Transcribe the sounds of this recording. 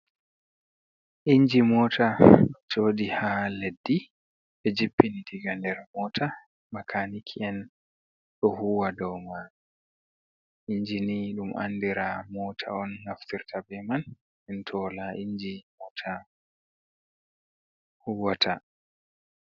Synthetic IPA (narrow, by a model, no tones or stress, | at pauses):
ʔiɲd͡ʒimɔːtʰad͡ʒt͡ʃoːdihaledːi | ɓɛd͡ʒipːinidiɡandɛɾmɔtʰa | makʰanikʰiɛn | ɗɔhuwadɔwma | ʔiɲd͡ʒiniɗumʔa̰ndiɾamɔtʰa̰ɔnːaftiɾtʰabɛman | ɛntʰɔlaʔiɲd͡ʒimɔːtʰa | huwatʰa